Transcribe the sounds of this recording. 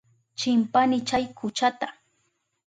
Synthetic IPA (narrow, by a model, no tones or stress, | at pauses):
t͡ʃɪmpanɪt͡ʃajkʰʊt͡ʃat̪a